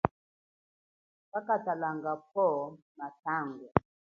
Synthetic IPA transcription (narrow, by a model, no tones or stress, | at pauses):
kakatalaŋɡapɔ | nataŋɡu